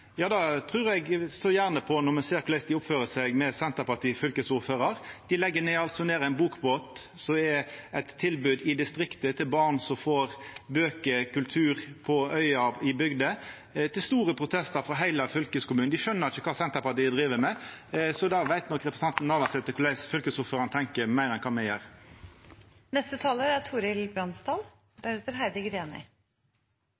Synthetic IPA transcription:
jɑːd̪ɑt̪ʰʁʉːɾɛɡsɔjæːʁnəpʰɔnɔmɛseːɾkʰʊlæɪsd̪ɪʊpføːɾəsɛɡmɛsɛnt̪əpɑʈ̪iːfʏlkəsʊføːɾəɾd̪̥ɪlɛɡːəneːɑlt̪sɔneːɾæɪnbuːkboːt̪sɔmɛɛt̪ʰːɪlbʉːd̪ɪd̪ɪst̪ɾɪkt̪ət̪ʰɪlbɑːʁnsɔmfoːɾbøːkəkʰʉlt̪ʰʉːɾpʰɔœʏɑɪbʏɡd̪ə | t̪ʰɪlst̪uːɾəpʰʁʊt̪ʰɛst̪əɾfɾʁɑɦæɪlɑfʏlkəskʊmʉːnd̪ɪʃœnːəɾɪçəkʰɑːsɛnt̪əpɑt̪ɪd̪ɾiːʋəmɛsɔd̪ɑʋæɪt̪nɔkɾɛpɾəsɑnt̪n̩ːɑɾʋɑsɛt̪ːəkʰʊlæɪsfʏlkəsʊfəɾɑnt̪ʰɛŋkəɾmæɪɾɛnkʰɑːmɛjøːɾ | nɛst̪ət̪ʰɑːləæt̪ʰuːɾɪlbɾɑnst̪ɑːl | b̥̪æɾet̪əɾɦæɪd̪ɪɡɾeːnɪ̰

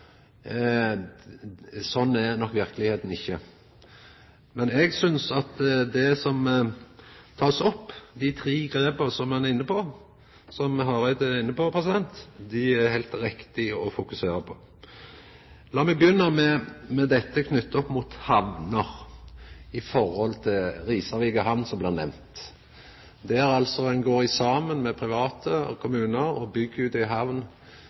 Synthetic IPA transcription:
sɔnːæɾnɔkːʋɪʁkəlɪheːt̪n̩ɪçːə | mɛnɛɡsʏnsɑt̪d̪ɛsɔm | t̪ʰɑːsɔpːd̪ɪt̪ʰɾiːɡɾeːbəʁsɔmhɑnɛɾɪnːəpʰɔ | sɔmɦɑʁæɪd̪ɛɪnːəpɔpʰʁɛsɪd̪ɛnt̪d̪ɪæɾhæɪlt̪ɾɪkt̪ɪɔfʊkʉseːɾəpʰɔ̥ | lɑːmɛɡ̚bjʏnːəmɛmɛd̪ɛt̪ːəkʰnʏt̪ːəɔpːmʊt̪hɑʋnəɾ | ɪfɔʁhɔlt̪ʰɪlɾiːsɑʋiɡəɦɑʋnsɔmblɪːʁnɛ̰mnt̪ | d̪ɛæɾɑlsɔɛnɡoːɾɪsɑːmənmɛpʰɾɪʋɑːt̪ʰəkʰʊmʉːnəɾɔbʏɡːəʉd̪ɪɦɑʋn

